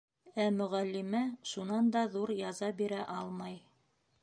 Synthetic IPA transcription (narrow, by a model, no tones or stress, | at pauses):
æmɵ̆ʁælːimæʃunɑnd̪ɑðuɾjɑzɑbiɾæʔɑlˠmɑj